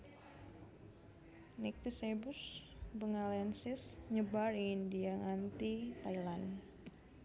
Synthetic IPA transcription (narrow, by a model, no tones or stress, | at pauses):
nɛk̚t̪isebusbəŋalɛnsɪsɲəbaɾiŋindiaŋant̪it̪ailan